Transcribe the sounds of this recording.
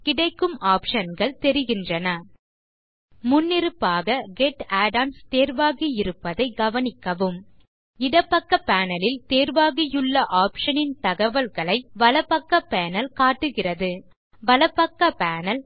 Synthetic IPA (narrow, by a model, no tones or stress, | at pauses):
kɪɽɐɪkːɯmaːpʂɐnɣɐɭt̪ɛɾɪɣɪndrɐnɐ | ʊnːɪɾɯpːaːɣɐɡɛʈːaːɖaːnst̪eːɾʋaːɣijɪɾɯpːɐðɐɪɡɐʋɐnɪkːɐʋɯm | ɪɽɐpːɐkːɐpːaːnɐlɪlt̪eːɾʋaːɣɪjɯɭːɐʔaːpʂɐnɪnt̪ɐɣɐʋɐlɣɐɭɐɪʋɐlɐpːɐkːɐpeːnɐlkaːʈːɯɣɪrɐðɯ | ʋɐlɐpːɐkːɐpaːnɐl